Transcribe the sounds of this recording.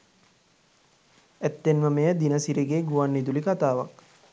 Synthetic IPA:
æt̪ːenʋəmejəd̪inəsiɾeɡeːɡuʋanːid̪ulikat̪aːʋak

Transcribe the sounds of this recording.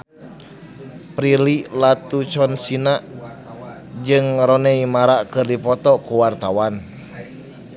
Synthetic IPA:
pɾililat̪ut͡ʃɔnsinaʔ | d͡ʒɨŋɾɔnɛimaɾakɨrdipɔt̪ɔkuwart̪awan

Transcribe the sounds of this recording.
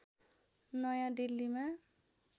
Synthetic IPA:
nʌjãdilːimã

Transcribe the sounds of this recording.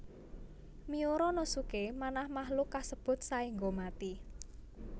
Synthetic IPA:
mioɾɔnosukemanahmahlukasəb̥ʊ̤t̪̚saiŋɡomat̪i

